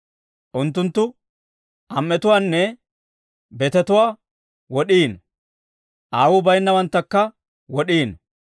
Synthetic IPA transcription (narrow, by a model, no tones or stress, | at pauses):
ʔʊnt̪ːʊnt̪ːʊ | ʔɐmːɛt̪ʊwaːnːɛ | bɛt̪ɛt̪ʊwaː | wɔɗiːn | ʔaːwʊbɐjnːɐwɐnt̪ːɐkːɐ | wɔɗiːn